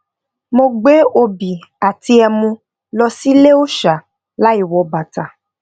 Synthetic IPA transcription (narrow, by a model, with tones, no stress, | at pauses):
mo˧ɡ͡be˦o˧bi˨a˨ti˧ɛ˧mũ˧ | lɔ˧si˦le˦o˦ʃa˨ | la˨˦i˦˨wɔ˨˧ba˨ta˨